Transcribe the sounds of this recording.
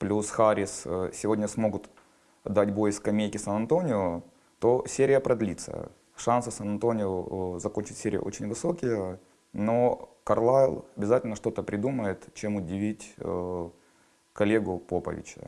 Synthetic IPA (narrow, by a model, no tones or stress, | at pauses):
plʲusxaɾʲɪssʲɪvo̞dʲnʲəsmo̞ɡʊt̪ | d̪atʲbo̞jɪskɐmʲejkʲɪsɐnɐnt̪o̞nʲɪʊ | t̪o̞sʲeɾʲɪjəpɾɐd̪lʲit̪sə̰ | ʂansɨsɐnɐnt̪o̞nʲɪʊzɐkonʲt͡ɕɪtʲsʲeɾʲɪ̰jə̰ʔo̰t͡ɕɪnʲvɨso̞kʲɪjə | nokɐrlˠaɪlˠɐbʲɪzatʲɪlʲnəʂt̪o̞t̪əpɾʲɪd̪uməjɪt̪t͡ɕemʊdʲɪvʲitʲ | kɐlʲeɡʊpo̞pə̰vʲɪ̰t͡ɕə̰